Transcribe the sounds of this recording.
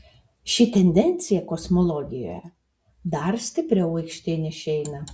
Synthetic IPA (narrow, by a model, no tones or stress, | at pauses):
ʃʲɪt̪ʲɛnʲd̪ʲɛnʲt̪sʲɪjɛkɔsmɔlˠɔːɡʲɪjo̰ːjɛ̰ | d̪ɐɾsʲt̪ʲɪpʲɾʲɛʊɐɪkʃʲt̪ʲɪnʲɪʃʲɛɪnɐ